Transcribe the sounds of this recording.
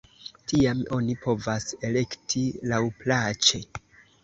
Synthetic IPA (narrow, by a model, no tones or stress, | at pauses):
tiamo̞nipo̞vase̞le̞ktʰilawplat͡ʃe̞